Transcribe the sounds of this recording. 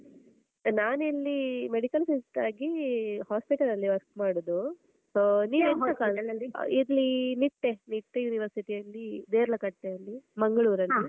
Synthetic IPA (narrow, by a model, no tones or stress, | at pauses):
naːnilːimeɽikɐlsisʈ̪aːɡihaːspiʈɐlɐlːiʋɐɾk̚maːɽod̪u | niːʋeːnkaɐlɐiɾlːiniʈːeniʈːejuːniʋɐɾsiʈiɐlːid̪eːɾɐlɐkɐʈːeɐlːimɐŋɡɐɭuːɾɐlːi